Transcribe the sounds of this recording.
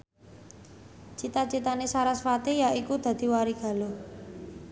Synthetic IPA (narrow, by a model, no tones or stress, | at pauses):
t͡ʃit̪ḁt͡ʃit̪anesaɾasfat̪ejaʔikud̪̥a̤d̪̥i̤waɾiɡ̥a̤lo